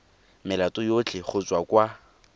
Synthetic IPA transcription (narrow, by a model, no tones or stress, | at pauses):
mɪlatʼʊjot͡ɬʼɪχʊt͡sʼwakʼwa